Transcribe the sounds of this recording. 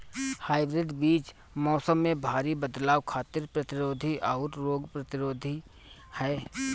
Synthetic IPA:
haːɪbɾɪɖbiːt͡ʃ | mɔːsəmːẽbʱaːɾibəd̪laːwkʰaːt̪ɪɾpɾɐt̪ɪɾoːd̪ʱiʔaːɾɾoːɡpɾɐt̪ɪɾoːd̪ʱi | hɛː

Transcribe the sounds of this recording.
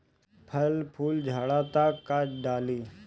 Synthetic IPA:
pʰəlpʰuːld͡ʒʱaːɽat̪akːaɖaːliː

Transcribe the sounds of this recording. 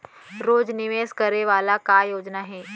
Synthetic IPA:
ɾoːd͡ʒnɪʋeːskɐɾeʋaːlakajoːd͡ʒnaɦɛː

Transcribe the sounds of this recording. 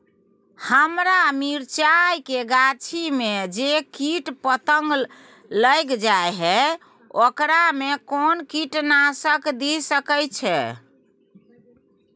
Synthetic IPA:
həmɾamiɾt͡ʃajkeɡat͡ʃʰimed͡ʒekiʈpət̪əŋɡ | ləjkd͡ʒajɦɛ | okɾamekonkiʈnasəkd̪isəkəjt͡ʃʰɛ̰

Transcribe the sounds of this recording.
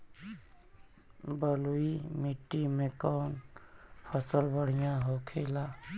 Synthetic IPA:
bəluimiʈːimẽkɔːnpʰəsəlbəɽ̤ijãɦokʰeːla

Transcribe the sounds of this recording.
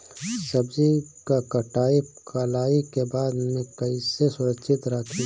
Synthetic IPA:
sɐbd͡ʒikakɐʈaːikʰaːlaːikebaːd̪mẽkɐisesʊɾəkʃʰɪt̪ɾakʰi

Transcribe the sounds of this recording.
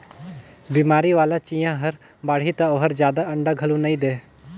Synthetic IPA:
biːmaːɾiʋaːlat͡ʃĩːjãɦəɾ | baːɽ̤it̪aoɦəɾd͡ʒjaːd̪aɐɳɖaɡʱəlũnəĩd̪eː

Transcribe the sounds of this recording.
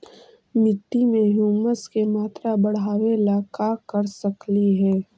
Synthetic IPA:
mɪʈːimẽɦuːməskemaːt̪ɾabɐɽ̤aːʋelakaːkɐɾsɐkliɦɛː

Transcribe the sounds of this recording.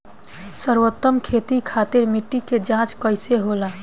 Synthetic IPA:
səɾwot̪ːəmkʰet̪ikʰat̪eɾmiʈːiked͡ʒãt͡ʃkəjseɦola

